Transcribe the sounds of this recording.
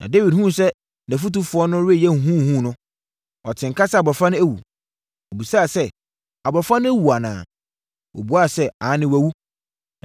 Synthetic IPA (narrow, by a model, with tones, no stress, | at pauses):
nʔã̰˨de˦wi˨d̚hũ˦˨sɛ˦ | nɛ̃˨fu˦tu˦fʊ˨ɔ˦nʊ̃˦ɾɪ˦ɛ˦˨jɛ˦ŋ̩˨ɦũ˦˨hũ˦˨nʊ̃˦ | ɔ˨tʰɪ̃˨ŋkʰa˦sɛ˦a˨bɔ˨fã˦nʊ̃˦æ˦wṵ˨ | ɔ˨bi˨saː˦˨sɛ˦ | a˨bɔ˨fã˦nʊ̃˦æ˦wu˨a˨nã̰ː˨ | wʔɔ̰˨bu˨˦a˦˨sɛ˦ã˨˦nɪ̃˦wæ˨wu˦